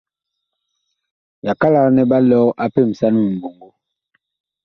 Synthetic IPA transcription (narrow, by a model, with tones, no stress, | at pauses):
ja˨ka˦la˨˦nɛ˦ba˦lɔ˦a˦pe˦˨m̩˨sa˦nu˦mi˨mbo˨ŋɡo˦